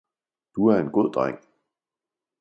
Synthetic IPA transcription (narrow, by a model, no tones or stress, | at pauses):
d̥uæɐe̝nɡ̥oð̰ˠd̥ʁaŋ̰